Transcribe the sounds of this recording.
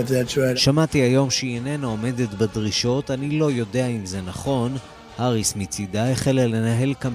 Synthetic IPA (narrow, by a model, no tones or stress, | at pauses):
tðɛt͡ʃaʃamatiajo̞mʃiene̞naome̞de̞tbadʁiʃo̞tanilo̞jo̞de̞aimze̞naχo̞n | haʁismit͡sidaeχelale̞naɦe̞lkam